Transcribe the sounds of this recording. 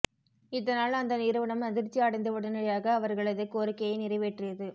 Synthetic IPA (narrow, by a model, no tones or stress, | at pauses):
ɪðɐnaːlɐnd̪ɐnɪɾɯʋɐɳɐmɐðɪɾt͡ʃːiaːɽɐɪnd̪ɐʋɯɽɐnɐɐjaːɣɐːʋɐɾɣɐɭɐðɯkːoːɾɪkːɐjɐɪnɪrɐɪʋeːʈrɪɐðɯ